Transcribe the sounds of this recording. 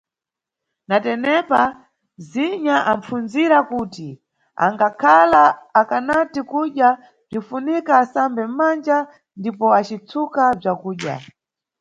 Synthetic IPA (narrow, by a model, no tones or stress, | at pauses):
natɛnɛpa | ziɲaʔaɱfunziɾakuti | a̰ŋɡakʰalaːkanatikuɗja | b͡ʐifunikaːsambɛm̩mand͡ʒa | ndipɔat͡ʃit͡sʰukab͡ʐakuːɗja̰